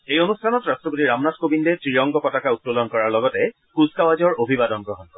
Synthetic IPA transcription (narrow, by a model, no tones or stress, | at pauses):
ejonustʰanɔtɹastɹɔpotiɹamnatkobindɛtɹijɔŋɡɔkɔtakaut̚ːolɔnkɔɹaɹlɔɡɔtɛ | kuzkawazɔɹobʱibadɔnɡɹɔɦɔnkɔ